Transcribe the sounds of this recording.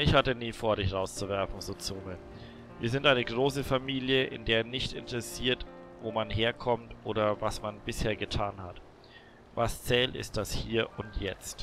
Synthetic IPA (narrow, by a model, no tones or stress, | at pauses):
ʔɪçhatəniːfoːɐɾɪçʁaʊst͡suvɛɐfn̩zoːt͡suːmə | viːɐzɪntʔaɪnəɡʁoːsəfamiːljəʔɪ̰ndeːɐnɪçtɪ̰ntəʁɛsiːɐtvoːmanɦeːɐkʰɔmtʔoːɾɐvasmanbɪsheːɐɡətʰaːnhat | vast͡sɛːlɪ̰st̚d̥ashiːɐʔʊntʰjɛt͡st